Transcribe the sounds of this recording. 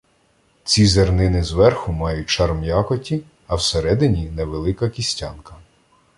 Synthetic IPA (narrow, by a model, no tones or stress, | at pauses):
t͡sʲizernɪnɪzʋɛrxʊmɑjʊt̚ʲt͡ʃɑrmjɑkɔtʲi | ɐwseɾɛd̪ɪnʲinɛʋelˠɪkɐkʲisʲtʲɑnkɐ̥